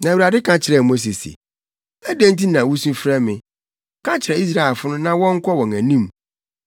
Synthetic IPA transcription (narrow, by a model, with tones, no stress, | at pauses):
nã˨u˨ɾa˨dɪ˦kʰã˨t͡ɕʰɪ˨ɾɛ˨mo˦s̬e˨sḭ˨ | æ˦dæ̃˦n̩˦ti˦nã˨wu˦sũ˦fɾɛ˦mɪ̃˨ | kʰã˦t͡ɕʰɪ˨ɾɛ˨i˦s̬ɾa˦˨ɛ˨lfʊ˦nʊ̃˦nã˦wɔ̃˦ŋ̩˦kʰɔ˦wɔ̃˨ŋæ̃˨nĩ˦m